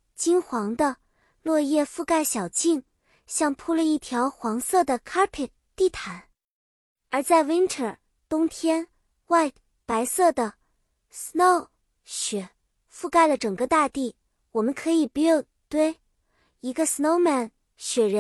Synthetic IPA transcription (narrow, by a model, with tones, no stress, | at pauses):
t͡ɕi˥nxwɑ˧˥ŋd̪ə˧ | lwɔ˥˧jɛ˥˧fu˥˧ka˥˩ɪɕjɑ˨˩ʊt͡ɕi˥˩ŋ | ɕjɑ˥˧ŋpʰu˥lə˧i˥˩t̪ʰjɑ˧˥ʊxwɑ˧˥ŋsɤ˥˩d̪ə˩kʰa˥pʰi˨˩ | t̪i˥˩t̪ʰa˧˥n | ə˞˧˥t͡sa˥˩ɪwi˥nʈ͡ʂʰə˞˨˩ | t̪ʊ˥ŋt̪ʰjɛ˥n | wa˥˩ɪ | pa˧˥ɪsɤ˥˩d̪ə˩ | sno˥˩ʊ | ɕɥɛ˨˩˦ | fu˥˧ka˥˩ɪlə˩ʈ͡ʂɤ˨˩ŋkə˧˦t̪a˥˧t̪i˥˩ | wɔ˨˩mə˦nkʰɤ˧˥i˨˩pu˧˥jo˥˩ʊ | t̪we˥˩ɪ | i˧˥ɡə˧sno˥ʊma˥˩n | ɕɥɛ˨˩ɻə˧˥n